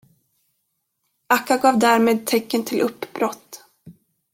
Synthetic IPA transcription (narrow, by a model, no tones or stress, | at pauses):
akːaɡɑːvd̪æːɾmeːd̪̚t̪ʰɛkːənt̪ʰɪlʔɵpːbɾɔt̪ː